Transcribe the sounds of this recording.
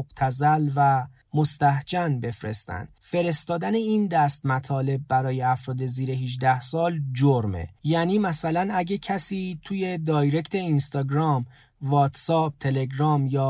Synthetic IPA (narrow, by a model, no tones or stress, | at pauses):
b̥t̪ʰæzælvæ | mo̞st̪æhd͡ʒænbe̞fɾe̞̰st̪æ̰nd̪̥fe̞ɾe̞st̪ɒːd̪æneind̪æst̪mæt̪ʰɒːle̞b̚ːæɾɒːje̞æfɾɒːd̪e̞ziːɾe̞ɦiʒd̪æhsɒːld͡ʒoɾmḛjæniːmæsælænæɟecʰæsiːt̪ʰuːje̞d̪ɒːjɾect̪ʰe̞inst̪ɒːɡɾɒːm | vɒːt̪sɒːb̚t̪ʰe̞le̞ɡɾɒːmjɒː